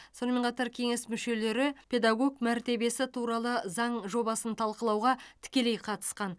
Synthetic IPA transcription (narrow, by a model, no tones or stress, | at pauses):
so̞nəme̞nqʰɑt̪ɑɾkʲʰe̞ŋe̞smʏʃe̞le̞ɾɪpʲʰe̞d̪ɑɡo̞ɡmæɾt̪e̞be̞sɪt̪ʰuɾɑlˠəzɑɴʒo̞bɑsənt̪ʰɑlˠqəlˠɑwʁɑt̪ʰɪ̥kʲe̞le̞jqʰɑt̪ə̥sqɑn